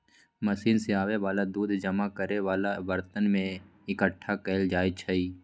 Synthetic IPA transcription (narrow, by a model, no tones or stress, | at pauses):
məʃiːnseaːʋeʋaːlad̪uːd̪ʱd͡ʒɐmakəɾeʋaːlaʋəɾt̪ənmẽ | ɪkəʈʰːakɛːld͡ʒaːjt͡ʃʰɐiː